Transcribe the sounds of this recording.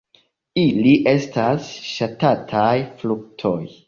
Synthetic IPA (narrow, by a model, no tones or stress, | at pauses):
iliʔe̞stasʃatatʰajfluk̚tʰo̞j